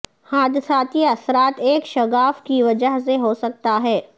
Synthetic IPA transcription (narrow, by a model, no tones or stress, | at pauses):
haːd̪saːt̪ijɐsɾaːt̪eːkʃɐɡaːfkiʋɐd͡ʒəɦseɦosɐk̚t̪aɦɛː